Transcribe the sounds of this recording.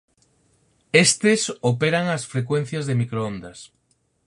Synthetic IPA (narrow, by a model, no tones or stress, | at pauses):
est̪ɪsopeɾaŋɐsfɾekwẽn̟θjɐzðemikɾoond̪ɐs